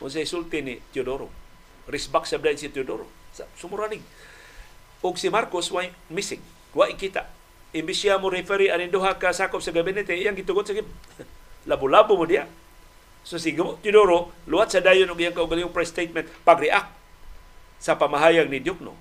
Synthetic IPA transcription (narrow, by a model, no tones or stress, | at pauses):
ʊ̰ns̬aisult̪ɪnit̪jodoɾo̰ | risbaksablajnsit̪judoɾo̰sasumuɾanɪɡ̚ | ʊɡsimarkʊswamisɪŋ | waʔikit̪a̰ | imbisiamoɾifɛɾianindoɦakasakʊpsaɡabɛnɛt̪eijaŋɡit̪ʊɡot̪̚saɡi | labulabumodia̰ʔ | sosiɡamʊʔt̪jʊdoɾoluat̪̚sadajʊnʊɡijaŋkauɡaliŋʊŋpɾajst̪ejt̪̚mɛnt̪̚paɡɾiʔak̚ | sapamaɦajaŋnidjʊk̚no̰